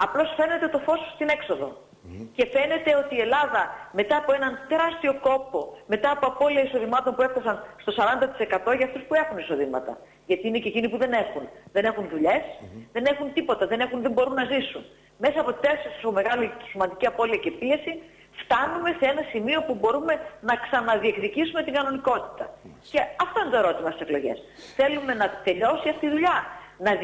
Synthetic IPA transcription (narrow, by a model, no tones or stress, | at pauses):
ɐplo̞sfe̞ne̞t̪e̞t̪o̞fo̞sst̪ine̞kso̞ðo̞̰ | ce̞fe̞ne̞t̪e̞o̞t̪iːe̞lɐðɐme̞t̪ɐːpo̞enɐnt̪e̞ɾɐst̪io̞ko̞po̞me̞t̪ɐːpo̞ɐpo̞liɐiso̞ðimɐt̪o̞npue̞fθɐsɐnst̪o̞sɐɾɐnd̪ɐt̪i̥se̞kɐt̪o̞ʝɐːft̪uspuexuniso̞ðimɐ̰t̪ɐ̰ | ʝɐt̪iine̞cecinipuðe̞ne̞xunðe̞ne̞xunðuʎe̞sðe̞ne̞xunt̪ipo̞t̪ɐðe̞ne̞xunðembo̞ɾunːɐzisun | me̞sɐːpo̞t̪t̪essisome̞ɣɐlice̥simɐnd̪iciɐpo̞liɐce̞pie̞si | ft̪ɐnume̞seenɐsimio̞pubo̞ɾume̞nɐksɐnɐðie̞kðicisume̞t̪iŋɡɐno̞niko̞t̪i̥t̪ɐ | ce̞ɐft̪o̞inet̪oeɾo̞t̪imɐst̪iseklo̞ʝe̞̰s | θe̞lume̞nɐt̪e̞ʎo̞siɐft̪iiðuʎɐnɐ